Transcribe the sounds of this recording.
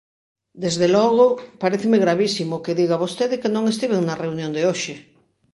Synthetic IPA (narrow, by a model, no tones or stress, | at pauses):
d̪ezðelɔɣ̞ʊpaɾeθemɪɣɾaβisimʊkeðiɣaβost̪eðɪkenõŋes̬t̪iβeŋnɐreunjõnd̪eoʃɪ